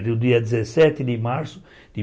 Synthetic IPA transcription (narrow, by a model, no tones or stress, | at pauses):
d̪ud̪iad̪izɛsɛt̪ːɪd̪imaɾsʊ̥ | d̪̥i